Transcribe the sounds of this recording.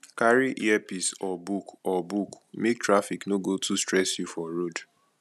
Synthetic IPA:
kaɹiʔḭɛpisɔbukɔbuk | mek̚tɹafiknoɡotustɹɛsjufɔɾod

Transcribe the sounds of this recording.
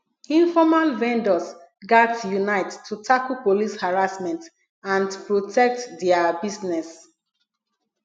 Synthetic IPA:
ĩnfɔmalvɛ̃ndɔs | ɡadsjunaɪttʰːutʰakulpolishaɹasmɛ̃nt | ãnpɹotʰɛk̚tdɛabisnɛs

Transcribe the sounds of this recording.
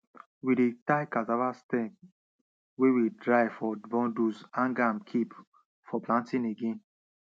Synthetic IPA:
widetaɪkazavastɛ̃p | wewidɹaɪfɔbɔ̃ndusãnɡãmkʰip | fɔplãntĩneɡẽn

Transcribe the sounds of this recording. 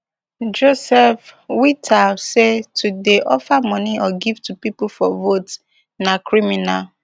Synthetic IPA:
d͡ʒosɛfwitʰasetudeʔɔfamɔ̃niɔɡivtupipufɔvot | nakɹiminal

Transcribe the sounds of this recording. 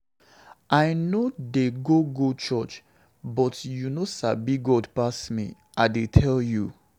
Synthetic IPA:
aɪnodeɡoɡot͡ʃɔt͡ʃ | bɔtjunosabiɡɔdpastmḭ | ʔaɪdetʰɛlju

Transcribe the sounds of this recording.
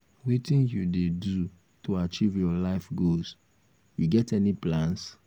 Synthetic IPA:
witĩnjudedu | tʰoat͡ʃivjɔlaɪfɡos | juɡɛtɛniplãns

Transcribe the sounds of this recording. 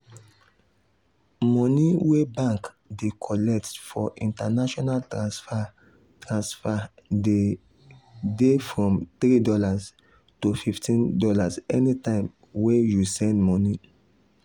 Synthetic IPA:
mɔ̃niwebãŋk | dekʰɔlɛk̚tfɔʔĩntanaʃɔnaltaf | tɹãnsfade | defɹɔ̃mt̪ɾidɔlas | tofiftʰĩndɔlazɛnitãɪ̃m | wejusɛ̃ndmɔni

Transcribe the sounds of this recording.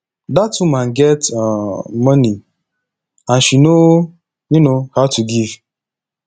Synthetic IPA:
datumanɡɛt | mɔni | ãnʃino | junohaʊtʰuɡiv

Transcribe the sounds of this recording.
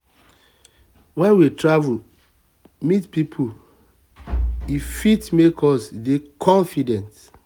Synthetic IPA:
wɛ̃nwitɹavul | mitpipʰu | ifitmekʰɔsdekʰɔ̃nfidɛ̃nt

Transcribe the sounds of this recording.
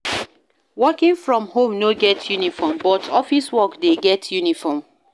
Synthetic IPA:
wɔkĩŋfɹɔ̃mhõmnoɡɛtʰjunifɔmbɔtʰɔfiswɔkdeɡɛtʰjunifɔm

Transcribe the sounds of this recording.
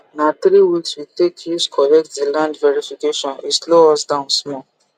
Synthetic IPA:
nat̪ɾiwilswitekʰjuskʰɔlɛk̚tdilãndvɛɹifikeʃɔ̃nisloɔsdãʊ̃nsmɔ

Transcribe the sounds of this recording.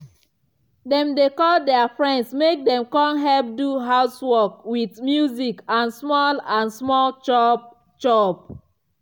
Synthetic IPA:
dɛ̃mdekɔldɛafɹɛ̃ndsmek̚dɛ̃mkɔ̃nɦɛlp̚duɦaʊswɔkwidmjuzikãnsmɔlãnsmɔlt͡ʃ | t͡ʃɔp

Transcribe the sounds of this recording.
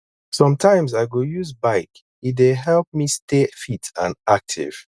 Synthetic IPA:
sʌ̃mtʰãɪ̃mzaɪɡojuzbaɪk | ideɦɛlp̚mistefitʰãnak̚tʰḭv̥

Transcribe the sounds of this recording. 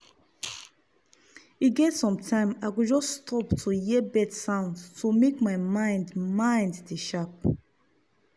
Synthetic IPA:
it̚ɡɛtsɔ̃mtʰãɪ̃makud͡ʒɔstʰɔptʰujɛbɛdsãʊ̃ndtʰumekmajmãj̃ndmãj̃ndiʃap̚

